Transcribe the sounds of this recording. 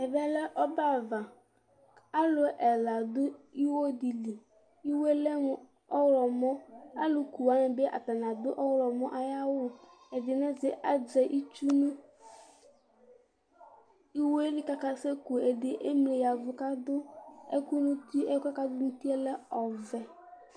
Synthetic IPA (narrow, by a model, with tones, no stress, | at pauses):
ɛ˨vɛ˦lɛ˦ʔɔ˦ba˦va˨ | a˦lʊ˨ʔɛ˨la˨d̪ʊ˦i˦wo˦di˨li˨ | i˦we˦lɛ˦m˨ | ɔ˦wlɔ˨mɔ̃˦a˦lʊ˦ku˨wa˨˦nɪ˨be˦ʔa̰˨t̪a˨nã˨d̪ʊ˦ʔɔ˦wlɔ˨mɔ˦ʔa˨ja˦wʊ˦˨ | ɛ˨dɪ˨nɛ˦zɪ˨ʔa˦d͡ʒɛ˨ʔi˦t͡ʃu˦nũ˦ | i˦we˦lɪ˦ka˦ka˦se˦ku˨e˨dɪ˨ʔe˦mle˨ja˨vʊ˨ka˦d̪ʊ˦ḛ˦ku˦nũ˦t̪i˦ɛ˦ka˦ka˦d̪ʊ˦nũ˦t̪i˦ɛ˦lɛ˦ɔ˨vɛ˨